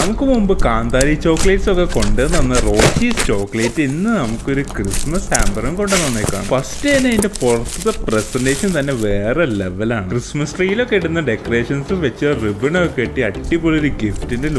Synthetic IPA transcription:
nɐmukːɨmumbɨkaːnd̪aːɾit͡ɕːo̞ːkːɐleːʈso̞kːe̞ko̞ɳɖɨnːʋɐnːɐro̞ːt͡ɕiːst͡ɕo̞ːkːɐleːtːinːɨnɐmukːo̞ɾukrismɐsaːmbɐrɐŋko̞ɳɖenːonːekːa̰ːɳufɐstɨenːɐinde̞purɐt̪ːɐðɐpresɐndeːʂɐnt̪ɐnːe̞ʋe̞ːreleʋɐlaːɳɨkrɨsmɐsʈriːjilo̞kːeiɽunːɐɖe̞kːore̞ːʂɐnsɨʋet͡ɕːɨribɨɳokːeʈːiɐʈːipːoːɭoɾuɡiftinde

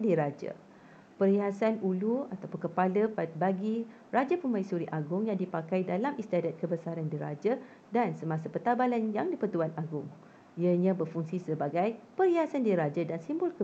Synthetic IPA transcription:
diɾad͡ʒa̰ | pəriɦasanuluat̪apʊnkəpaləpabaɡi | rad͡ʒapəmaisuɾiʔaɡʊŋjaŋdipakajdalamist̪iadat̪̚kəbəsaɾandiɾa̰d͡ʒa | dansəmãsapərt̪abalanjaŋdipərt̪uanaɡʊŋ | iəɲãbərfuŋsisəbaɡajpəɾiɦasandiɾad͡ʒadansimbʊlkə

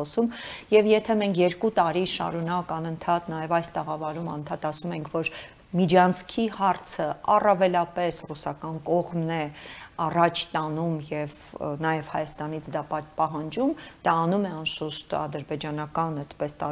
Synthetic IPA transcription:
ɔsumjɛvjɛt̪ʰɛmɛŋkʰjɛɾkut̪ɑɾiʃɑ̰ɾunɑkɑnənt̪ʰɑt̪nɑjɛvɑjst̪əʁɑvɑɾumɑnənt̪ʰɑt̪ɑsumɛŋkʰvɔɾ | mid͡ʒɑnt͡sʰkʰihɑrt͡sʰəɑ̰rɑvɛlɑpɛsrusɑkɑnkɔʁmnɛɑrɑt͡ʃʰt̪ɑnumjɛvnɑjɛv̥hɑjɑst̪ɑnit͡sʰd̪ɑpɑt̪pɑɦɑnd͡ʒumd̪̥ɑːnumɛɑnʃuʃt̪ɑ̰d̪əɾbɛd͡ʒɑnɑkɑnɛt̪pɛst̪ɑ

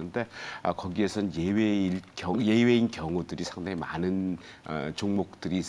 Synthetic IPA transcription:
ɯnde̞ʌkʌɡie̞sʰʌnjeweikʌje̞we̞inkjʌŋudɯɾisʰaŋdaŋemanɯn | ʌ̰t͡ɕoŋmok̚t͈ɯɾiːs͈

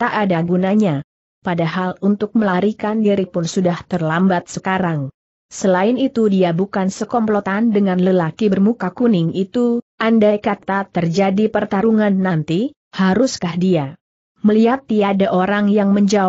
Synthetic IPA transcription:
t̪aʔadaɡunaɲa | padaɦalunt̪ʊk̚məlaɾikandiɾipʊnsudaht̪ərlambat̪̚səkaɾaŋ | səlaɪnit̪udiabukansəkɔmplot̪andəŋanləlakibərmukakunɪŋit̪uʔandajkat̪at̪ərd͡ʒadipərt̪aɾuŋanːant̪i | haɾʊskahdia | məliɦat̪iadaʔoɾaŋjaŋməɲd͡ʒa

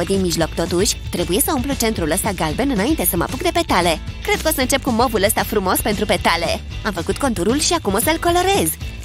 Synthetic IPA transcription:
əd̪inmiʒlo̞kt̪o̞t̪uʃʲt̪ɾe̞buje̞səumplut͡ʃe̞nt̪ɾuləst̪aɡalbe̞nɨnaint̪e̞səma̰puk̚d̪e̞pe̞t̪ale̞kɾe̞d̪̚kəosəɨnt͡ʃe̞p̚kumo̞vuləst̪afɾumo̞spe̞nt̪ɾupe̞t̪ale̞ | amfəkut̪ko̞nt̪uɾulʃiakumo̞səɨlko̞lo̞ɾe̞z

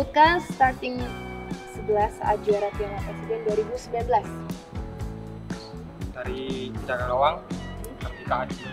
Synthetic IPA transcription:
ukasət̪art̪ɪŋ | səbəlasa̰d͡ʒuaɾat̪ianapɾesidɛnduaɾibusəmbilanbəlas | daɾiid͡ʒananowaŋərpikaːd͡ʒi

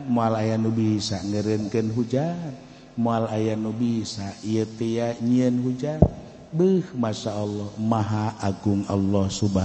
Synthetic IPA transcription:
moalajanubisaŋəɾənkənɦud͡ʒan̚ | moalajanubisaijət̪ejaɲiənɦud͡ʒan | bəhmasaɔlːɔhmaɦaʔaɡuŋɔ̰lːɔhsuba

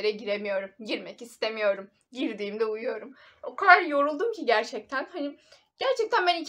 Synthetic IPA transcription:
ɾɛɟiɾemijo̞ɾumɟiɾmɛcist̪ʰe̞mijo̞ɾum | ɟiɾd̪iːmd̪ɛujujo̞ɾum | okʰaɾjo̞ɾulˠd̪umcʰiɟæɾt͡ʃʰɛc̚t̪ʰænhani | ɟ̥æɾt͡ʃʰɛc̚t̪ʰænbæni

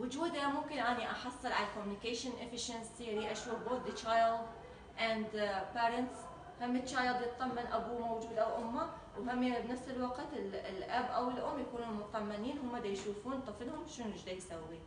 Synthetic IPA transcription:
wʊd͡ʒuːd̪amʊmkɪnʔaniʔɑħɑsˤːɨlʕalakɔmjnɪkeːʃɪnʔɪfɪʃansiɾiʔaʃwuːfboːθd̪it͡ʃajld̪ | ʔand̪peːɾɪnt̪s | hamːɪt̪t͡ʃaːjld̪jɪt̪̚ˤɑmːanʔabumowd͡ʒuːd̪ʔawʔʊmːa | whamjabnafsɪlwaɡt̪ɪllʔabʔawɪlʔʊmːjakuːnuːnmʊt̪t̪ˤɑmːaniːnɦʊmːad̪ajʃuːfuːnt̪ˤːɑfɪlhʊmʃɪnɪʒd̪ajsawːi

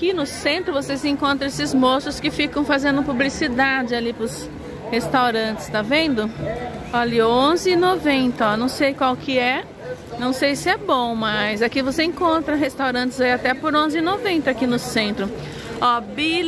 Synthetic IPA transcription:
kinʊsẽnt̪ɾʊvosezẽŋkõnt̪ɾɐ̃esɪzmosʊskɪfikɐ̃w̃fazẽnd̪ʊpublisid̪ad͡ʒɪalipɾʊs | hest̪awɾɐ̃t͡ʃɪ̥st̪avẽnd̪ʊɔʎiõzɪɪnovẽnt̪ɐɔnɐ̃w̃sejkwawkɪɛ | nɐ̃w̃sejsɪɛbõw̃mɐjzakivoseẽŋkõnt̪ɾɐɦest̪awɾɐ̃nt͡ʃɪzaiat̪ɛpoɾõzɪɪnovẽnt̪ɐakinʊsẽnt̪ɾʊ | ɔbil

